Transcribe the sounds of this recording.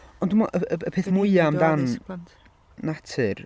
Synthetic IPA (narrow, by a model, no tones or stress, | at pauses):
ɔndumɔʔəəəpʰeːθmʊɨamdan | atʰɨr